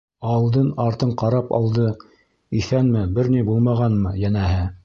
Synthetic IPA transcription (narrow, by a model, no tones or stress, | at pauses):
ɑlˠd̪ɤnɑɾt̪ɤɴqɑɾɑpɑ̰lˠd̪ɤ | iθænmɘbɘɾnibulˠmɑʁɑnmɤjænæɦɘ